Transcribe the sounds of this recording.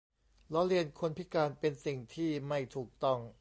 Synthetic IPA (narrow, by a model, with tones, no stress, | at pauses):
lɔ˦˥ɾi˧ənkʰo˧npʰi˦˥kaː˧npe˧nsi˨˩ŋt̪ʰiː˥˩ma˥˩jt̪ʰuː˨˩k̚t̪ɔ˥˩ŋ